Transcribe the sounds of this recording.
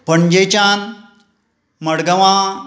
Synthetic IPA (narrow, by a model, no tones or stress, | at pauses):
pəɳd͡ʑəjt͡ɕãn | məɽɡəʋã